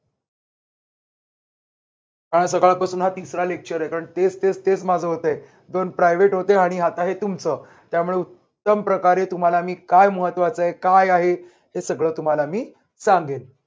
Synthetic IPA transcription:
kaɽə̃s̬əɡɭapasuːnɦat̪isɾalek̚t͡ɕəɾekaɾəɳt̪ed͡zt̪ed͡zt̪et͡smad͡zʱəɦot̪j | d̪onpɾajʋeʈɦot̪eaɽ̃iɦat̪aɦet̪umt͡sə | t̪jamuɭeut̪ːəmpɾəkaɾet̪um̤alamiːkajməɦət̪ːʋat͡səɦekajaɦe | ɦesəɡɭəːt̪um̤alamiː | sãŋɡel

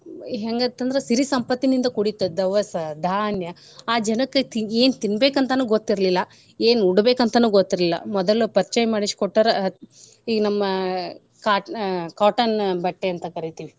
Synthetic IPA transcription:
ɦeːŋɡɐːt̪ːɐnd̪ɐɾesiɾisɐmpɐt̪ːinind̪ɐkuɽit̪ud̪ɐʋɐsɐd̪ʱaːnjɐ | aːd͡ʒɐnɐkːet̪ieːnt̪inbeːkɐnt̪ɐnuːɡot̪ːiɾlilːɐ | eːnuɽbeːkɐnt̪ɐnuːɡot̪ːiɾlilːɐ̰mɔd̪ɐlupɐɾt͡ʃɐjɐmaːɽiʂkoʈːɐɾɐ | iːɡɐnɐmːɐ | kaːkaːʈɐnbɐʈːeɐnt̪ɐkɐɾit̪iʋi

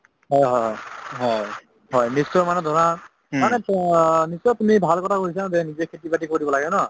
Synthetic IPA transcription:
ɦɔjɦɔjɦɔjɦɔj | ɦɔjnisːɔmanɛdʱɔna | manɛnisɔtumibʱalkɔtʰakoɹis̬azɛnizɛkʰetibatikoɹibɔlaɡɛnɔ

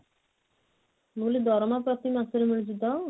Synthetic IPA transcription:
nulid̪ɔɾɔmapɾɔt̪imasuɾemiɭit͡ʃit̪ɔ

